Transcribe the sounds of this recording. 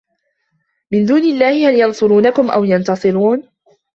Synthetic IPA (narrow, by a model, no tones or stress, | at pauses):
mɪnd̪uːnɪlːaːhɪhaljɑnsˤʊɾuːnakʊmʔa̰wjɑnt̪ɑsˤɨɾuːn